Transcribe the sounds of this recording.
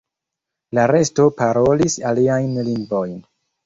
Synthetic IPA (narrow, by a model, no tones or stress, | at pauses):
laɾe̞sto̞paɾo̞lisaliajnliŋɡvo̞jn